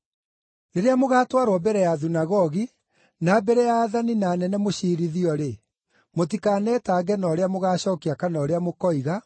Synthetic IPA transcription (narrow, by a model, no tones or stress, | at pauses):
neɾeamoɣaːtwaɾwɔbɛɾɛjaðunaɣɔɣi | naːbɛɾɛjaːðaninaːnɛnɛmoɕiɾiðiɔɾe | motikaːnɛtaːɡɛnɔːɾeamoɣaːɕɔːkiakanɔːɾeamokɔiɣa